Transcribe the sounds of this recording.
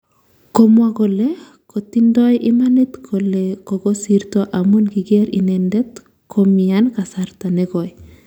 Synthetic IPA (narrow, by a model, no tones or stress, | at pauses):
kɔmwaɡɔle | kɔt̪indɔjʔimanit̪kʰɔlekɔɡɔsiɾt̪ɔʔamunɡiɡeɾḭnɛndɛt̪ | kʰɔmiankasaɾt̪aneɡɔj